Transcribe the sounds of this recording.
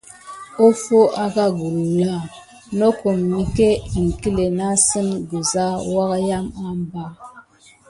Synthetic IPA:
o˦fo˦ʔa˦ka˦ɡu˨ɾu˨ja˦˨ | no˦ko˨mːi˨ke˦i˨ŋ˨ki˦le˨na˦sɨ˦nɡə˨za˦wa˦kja˦ma˦mba˦

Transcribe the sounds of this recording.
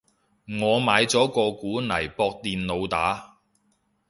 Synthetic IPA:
ŋɔː˨˧maː˨˧jt͡sɔː˨˥kɔː˧kuː˨˥nɐ˨˩jpɔː˧k̚t̪iː˨nlo˨˧wt̪aː˨˥

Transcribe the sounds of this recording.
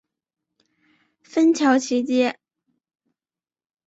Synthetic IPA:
fə˥nt͡ɕʰjɑ˧˥ʊt͡ɕʰi˧˥t͡ɕjɛ˥

